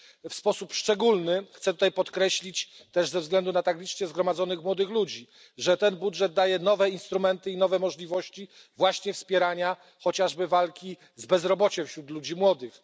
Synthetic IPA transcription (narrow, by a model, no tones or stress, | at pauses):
fspɔsupʂt͡ʂɛɡulnɘxt̪sɛt̪u̥t̪ajpɔt̪kɾɛɕlʲit͡ɕt̪ɛʐzɛvzɡlɛnd̪unat̪aɡlʲit͡ʂt͡ɕɛzɡɾɔmad̪zɔnɘxmwɔd̪ɘxlud͡ʑi | ʐɛt̪ɛnbudʐɛd̪̚d̪ajɛnɔvɛinst̪ɾumɛnt̪ɘinɔvɛmɔʐlʲivɔɕt͡ɕi | vwaɕɲɛfspʲjɛɾaɲa | xɔt͡ɕaʐbɘvalkʲi | zbɛzɾɔbɔt͡ɕɛ̃fɕɾut̪lud͡ʑimwɔd̪ɘx